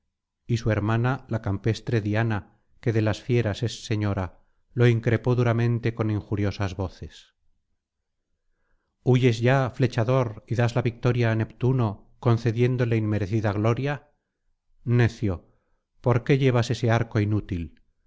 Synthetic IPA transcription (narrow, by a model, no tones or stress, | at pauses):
isue̞ɾmanalakampe̞st̪ɾe̞ðiana | ke̞ðe̞lasfje̞ɾase̞sːe̞ɲo̞ɾa | lo̞iŋkɾe̞po̞ðuɾamẽ̞nt̪e̞ko̞nĩŋxuɾjo̞sazβo̞θe̞s | uʝe̞zʝafle̞t͡ʃaðo̞ɾiðazlaβik̚t̪o̞ɾjaːne̞pt̪uno̞ | ko̞nθe̞ðje̞nd̪o̞le̞imme̞ɾe̞θiðaɣlo̞ɾja | ne̞θjo̞ | po̞ɾke̞ʎe̞β̞ase̞se̞aɾko̞inut̪il